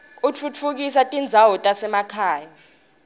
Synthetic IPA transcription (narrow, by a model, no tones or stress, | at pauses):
ut͡fʰut͡fʰuk̬is̬atʼind͡zʱaɦɔtʼasɛmakʰaːja